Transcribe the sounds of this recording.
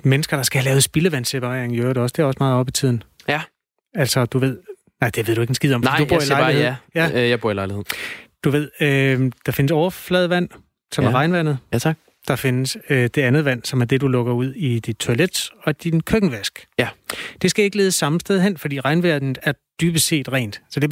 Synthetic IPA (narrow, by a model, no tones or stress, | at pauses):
menəsɡ̥ɐɾ̥ɑ̈sɡ̥æhælɛːʊð̩ˠsb̥iləʋænsepʰɑ̈ʁɛ̰ɐ̰eŋjøɐɾɒ̽sd̥e̝æɐɒsmɑ̈ːðˠɒ̽bit͡sʰið̰ˠn̩ | æl̰sɒ̽d̥uʋe̝ð̞̰ˠ | nɑ̈ɪd̥e̝ʋe̝ð̰ˠd̥ue̝ɡensɡ̥ið̰ˠɒ̽mfd̥ub̥ɐ̰ilɑ̈lejæjɑ̈b̥uɐ̰ilɑ̈ɪlihe̝ð̰ˠd̥uʋe̝ð̞̰ˠød̥ɑ̈fe̝nəsɒʊɐflɛːð̞ˠʋæn̰ | sɒ̽mæʁɑ̈ɪnʋæn̰ð̩ˠʰɡ̥ | d̥ɑ̈fe̝nəsød̥e̝ænð̩ˠʋæn̰sɒ̽mæɐd̥e̝d̥ulɔ̽ɡ̥ɐuð̞̰ˠid̥id̥̚t͡sʰo̝æled̥ɒ̽d̥inkʰøɡ̥n̩ʋæsɡ̥ | d̥e̝sɡ̥æe̝ɡ̥əle̝ːð̞ˠəsːɑ̈məsd̥eð̞ˠɦen̰fɒd̥ḭːʁɑ̈ɪnʋæɐd̥n̩æɐd̥yːb̥əse̝̰ːd̥ʁɛ̰ɪːnd̥æsɒd̥e̝